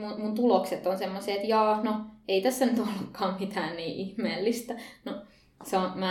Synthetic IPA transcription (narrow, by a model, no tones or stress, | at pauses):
mumunt̪ulokset̪onsemːoseːt̪jɑːnoeit̪æsːænyt̪olːukʰːɑːmmit̪æːnniːʔihmeːlːist̪æno | seomæ